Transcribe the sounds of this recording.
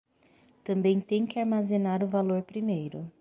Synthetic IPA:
t̪ɐ̃mbẽj̃t̪ẽj̃kɪaɾmazenaɾʊvaloɾpɾimejɾʊ

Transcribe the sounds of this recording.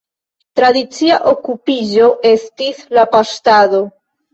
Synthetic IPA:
t̪ɾaðit͡siaʔokupiʒoʔe̞st̪islapast̪aðo

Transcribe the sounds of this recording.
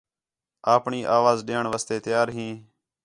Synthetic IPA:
aːpɳiːʔaːʋaːzɗeːɳʋaːst̪eːt̪ɪjaːɾɦĩː

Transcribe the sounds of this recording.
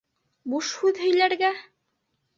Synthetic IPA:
buʃhʉðhɵ̆jlæɾɡæ

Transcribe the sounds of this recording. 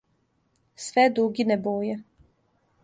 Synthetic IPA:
sʋɛd̪ɾuɡinɛboːjɛ

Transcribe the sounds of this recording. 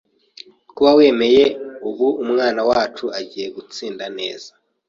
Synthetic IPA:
kuβawe̞ːme̞je̞uβuumŋaːnawaːt͡ʃuaɟiːje̞ɡut͡siːndane̞̰ːz̥a

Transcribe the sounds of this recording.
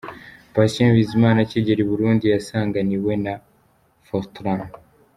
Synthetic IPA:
pasẽvizimaːnaciɟeɾiβuɾuːndijasaːŋɡaniwe̞na | foltɾam

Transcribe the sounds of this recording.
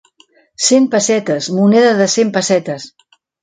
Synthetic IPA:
sempəsɛt̪əzmunɛðəðəsempəsɛt̪əs

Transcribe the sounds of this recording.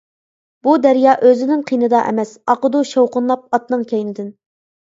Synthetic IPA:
b̥ud̪æɾjɑːʔøzɪnɪŋqʰijnɨd̪ɑʔɛ̰mɛsɑqəd̪uʃowqʊnlˠɑp̚ɑt̪nɨŋkʲʰɛjnɪd̪ɪn

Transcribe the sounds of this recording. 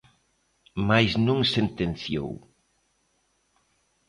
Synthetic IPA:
majznũŋsent̪enθjo̰w

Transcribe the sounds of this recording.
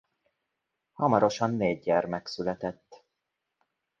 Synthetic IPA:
hɒmɒɾo̞ʃɒnːeːɟːɛrmɛksylɛt̪ɛt̪ː

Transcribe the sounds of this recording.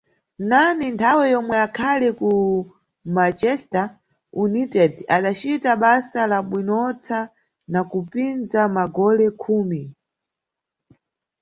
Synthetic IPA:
nanintʰawɛjɔmwɛakʰalɛku | mat͡ʃɛsta | unitɛdaɗat͡ʃitaɓasalaɓwinɔt͡sʰa | nakupinzamaɡɔlɛkʰuːmi

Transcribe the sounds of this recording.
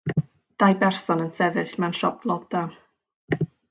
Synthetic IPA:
d̥ajbɛrsɔnənsɛðɨɬmɛnʃɔp̚lˠɔda

